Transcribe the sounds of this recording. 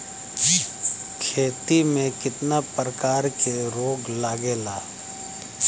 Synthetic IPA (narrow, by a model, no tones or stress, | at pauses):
kʰeːt̪imẽkɪt̪napɾəkaːɾkeɾoːɡlaːɡeːlaː